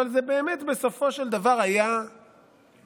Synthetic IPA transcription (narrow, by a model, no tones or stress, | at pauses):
alzebe̞ːmetbeso̞fo̞ʃeld̪avaʁaja